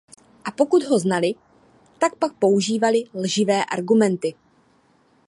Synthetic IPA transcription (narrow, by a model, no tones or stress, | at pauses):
ʔapo̞kud̪ɦo̞znalɪ | t̪ak̚pak̚po̞uʒiːvalɪlʒɪvɛːʔa̰ɾɡumɛnt̪ɪ